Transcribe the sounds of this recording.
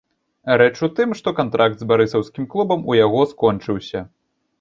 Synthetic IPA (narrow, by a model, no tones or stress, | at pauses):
ɾɛt͡ʂut̪ɨmʂt̪ɔkant̪ɾʔakd̪zbaɾɨsɐwskʲimklˠubɐmujaɣɔskɔnt͡ʂɨwsʲɐ